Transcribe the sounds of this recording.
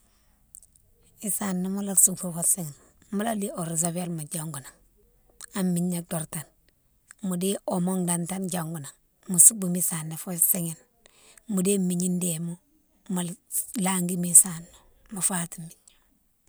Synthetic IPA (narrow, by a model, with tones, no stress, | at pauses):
i˨sanːomu˦la˦ksu˨fu˨fosiŋi˨n | mu˦la˦lio˨ɾizobe˦lma˨d͡ʒaŋɡu˨na˨ŋ | a˨mːiɲːado˨ɾta˨n | mu˨de˦omo˦ŋdantanɟaŋɡu˨na˨ŋ | musu˦bumisanːe˨fo˦siŋin | mu˨de˦mi˨ɲi˦ndemu˦ | malaŋɡi˦misanːo | mu˨fatimiɲ